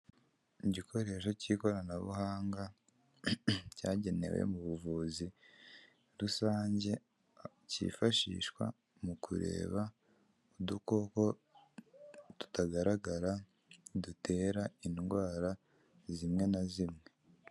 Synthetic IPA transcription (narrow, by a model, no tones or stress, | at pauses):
iɟikʰo̞ɾe̞ʃo̞ciːko̞ɾanaβṵɦaːŋɡa | ca̰ːɟe̞ne̞̰wḛmuβuvuːzi | ɾusaːɲɟe̞ | cḭːfaʃḭːʃkwa̰ | mukṵɾe̞̰ːβa | uduko̞ko̞ | tu̥taɡaɾaɡaɾa | dute̞ːɾainɡwaːɾa | zimŋe̞nazimŋe̞